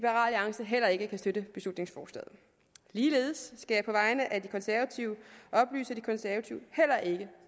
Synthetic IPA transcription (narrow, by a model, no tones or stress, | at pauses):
ib̥əʁɑ̰̈lɑ̈ŋsəɦel̰ɐe̝ɡ̥əkʰæsd̥ødɾəb̥e̝slud̥ne̝ŋsfɒːslɛ̰ðˠ | liːle̝̰ːð̞ˠsːɡ̥æjɑ̈ɪpʰɒ̽ʋɑ̈ɪnəʔæd̥ikʰɒ̽nsæɐʋæt͡sʰiʊəʔɒ̽b̥ly̰ːsəd̥ikʰɒ̽nsæɐʋæt͡sʰiʊhel̰ɐʔe̝ɡ̥ə